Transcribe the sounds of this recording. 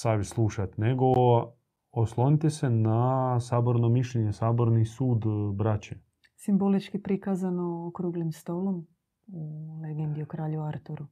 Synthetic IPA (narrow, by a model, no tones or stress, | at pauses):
saʋislˠuʃat̪neɡo̞ | oslˠonit̪esenasaːbo̞ɾnomiʃʎeɲesaːbo̞ɾnisuːd̪bɾat͡ɕe | simbolit͡ʃkipɾikazanookɾuɡlimst̪o̞lˠom | uleɡend̪iokɾaːʎuaɾt̪uɾu